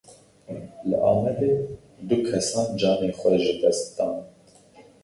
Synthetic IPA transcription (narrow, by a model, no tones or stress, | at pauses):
ləʔɑːmɛd̪eː | d̪ukʰɛsɑːnd͡ʒɑːneːnxʷɛʒɨd̪ɛst̪d̪ɑːn